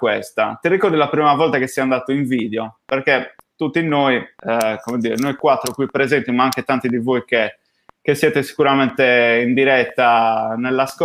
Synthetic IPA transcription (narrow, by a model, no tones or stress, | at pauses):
kwɛst̪a̰t̪irːikɔɾd̪ilapɾiːmavɔlt̪akesːɛand̪aːt̪oiɱviːðɛɔpɛɾket̪ut̪ːinoikomed̪iːɾɛ̰nojkwat̪ːɾokwipːɾezent̪imaaŋket̪ant̪id̪ivojke | kesjɛːt̪esi̥kuɾamɛnt̪ɛind̪iɾɛt̪ːanɛlːask